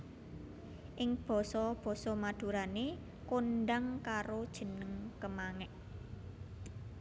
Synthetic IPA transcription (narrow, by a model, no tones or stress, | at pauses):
ʔɪŋb̥ɔ̤sɔb̥ɔ̤sɔmad̪̥ṳɾane | konɖaŋkaɾod̥ʒ̥ə̤nəŋkəmaŋɛʔ